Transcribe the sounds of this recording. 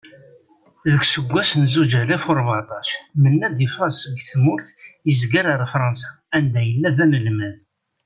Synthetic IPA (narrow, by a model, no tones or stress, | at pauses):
ðəksəɡʷːæsənzud͡ʒælæfʊɾˤbʕɑt̪ˤɑʃmənːæd̪ifɑsəɡθmʊɾθjəzɡaɾəɾˤfɾˤɑnsɑ̥ | ænd̪æjəlːæðænəlmæð